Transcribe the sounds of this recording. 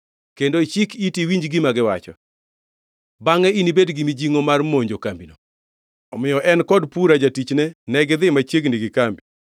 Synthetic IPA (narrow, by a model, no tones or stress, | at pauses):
kendot͡ʃikitiwiɲd͡ʒɡɪmaɡɪwat͡ʃɔ̰ | baŋɛinibedɡimid͡ʒiŋomarmoɲd͡ʒokambino | ɔmɪjɔʔɛnkɔdpuɾad͡ʒatit͡ʃnɛnɛɡd̪ɪmat͡ʃeɡniɡɪkambi